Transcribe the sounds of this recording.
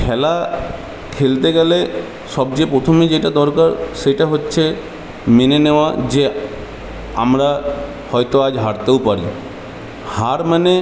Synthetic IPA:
kʰɛla | kʰelt̪eɡɛle | ʃɔb̚d͡ʑepɾot̪ʰomed͡ʑeʈad̪ɔɾkaɾʃejʈaɦotːɕʰe | meneneoad͡ʑe | a̰mɾa | hɔjt̪oad͡ʑɦaɾt̪eowpaɾi | haɾmane

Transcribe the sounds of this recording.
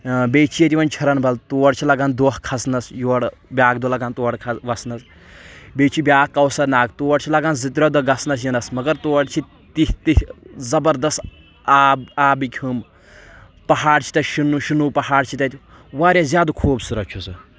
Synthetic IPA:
beːt͡ʃʰijet̪ʲiʋɐnt͡ʃʰɐɾɐnbʱɐlt̪oːɽt͡ʃʰilɐɡaːnd̪oɦkʰɐsnɐsjuɽbʲaːɡ̚d̪olɐɡaːnt̪oːɽkʰɐʋɐsnɐs | beːt͡ʃʰibʲjaːkːɐwsɐɾnaːɡt̪oːɽt͡ʃʰilɐɡaːnzit̪ɾʲɔːd̪oɡɐsnɐs̬jinɐsmɐɡɐɾt̪oːɽt͡ʃʰi | t̪it̪ihzɐbɐɾd̪ɐst̪ | aːbaːbikʲʰhum | pɐɦaːɽt͡ʃʰi̥t̪ɐʃunuʃunuːpɐhaːɽt͡ʃʰit̪ɐt̪ʲ | ʋaːɾʲjazjaːd̪ukʰuːbsuɾɐkʲʰjusɨ

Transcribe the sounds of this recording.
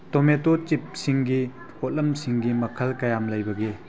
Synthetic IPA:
tometot͡ʃip̚siŋɡi | ot̚lɐmsiŋɡimɐkʰɐlkɐjamlɐjbɐɡe

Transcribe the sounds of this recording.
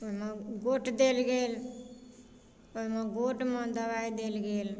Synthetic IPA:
omãɡoːʈd̪eːlɡeːl | omãɡoʈmãd̪əbaid̪eːlɡeːl

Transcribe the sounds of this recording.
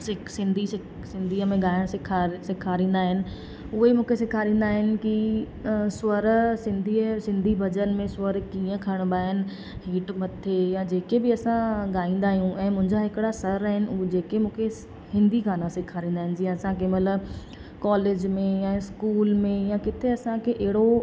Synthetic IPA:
sɪsɪ̃nd̪ʱis | sɪ̃nd̪ʱiːəmẽɠaːɪəɽ̃sɪkʰasɪkʰaːɾĩːnd̪aːɦɪnɪ̆ | ʊɦemũːkʰesɪkʰaːɾĩːn̆d̪aːɦɪnɪ̆ki | swɐɾsɪ̃nd̪ʱisɪ̃nd̪ʱibʱɐd͡ʑənmẽsʊɐɾkiːə̃kʰəɽ̃baːɦɪnɪ̆ | ɦiːʈmɐt̪ʰejad͡ʑeːkebɪɐsãɠaːĩːnd̪aːɦijũʔɛ̃ːmʊ̃ɦɪ̃ɲd͡ʑaɦɪkɪɽasɐɾaːɦɪnɪ̆ud͡ʑeːkemũːkʰe | hɪ̃nd̪ʱiɡaːnãsɪkʰaːɾĩːn̆d̪aːɦɪnɪ̆d͡ʑiə̃ɐsãkemləb | kɔːleːd͡ʑmẽjãɪskuːlmẽjãkɪt̪ʰeɐsãkʰeʔeɦɪɽo

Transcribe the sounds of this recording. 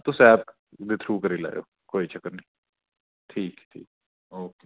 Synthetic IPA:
t̪ʊsɛːb̚ | d̪it̪ʰɾuːkəɾiːla̰ːjo̰ː | koːiːt͡ʃəkːəɾniː | ʈʰiːkʈʰḭːk̚ | oːkeː

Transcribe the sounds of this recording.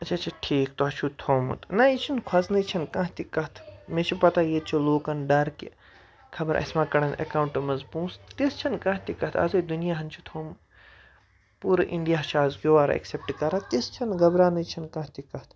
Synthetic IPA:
ɐt͡ʃʰat͡ʃʰiʈʰiːkt̪ot͡ʃʰut̪ʰoːmṵt̪nait͡ʃʰinkʰwɐznɐt͡ʃʰɐnkɐ̃ɦt̪ikɐt̪ʰmẽt͡ʃʰipɐt̪aːjeːt̪̚t͡ʃʰuloːkɐnɖɐɾkḭ | kʰɐbɐɾʔɐ̰smãːkɐɽɐnɐ̰kaːwuɳʈɐmɐnzpũːst̪ist͡ʃʰɐnkɐ̃ɦt̪ikɐt̪ʰɐ̰zɐid̪unijaɦɐnt͡ʃʰut̪ʰoːm | puːɾʔiɳɖijaːʃaːzɡʲjoːʋaːɾ̰ḛksep̚ʈkɐɾat̪ist͡ʃʰɐnɡɐbɾaːnɐt͡ʃʰɐnkɐ̃t̪ikɐt̪ʰ

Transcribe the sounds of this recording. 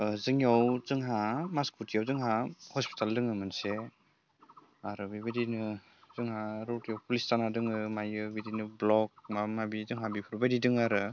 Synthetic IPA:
zɯŋjawz̥ɯŋɦamaskʰutijawzɯŋɦahɔspi̥tʰaldɯŋɯmɯnse | aɾɯbibidinɯ | z̥ɯŋɦaɾɔtijawpulisanadɯŋɯmajɯbidinɯblɔk̚mamabizɯŋɦabipʰuɾbadidɯŋaɾɯ

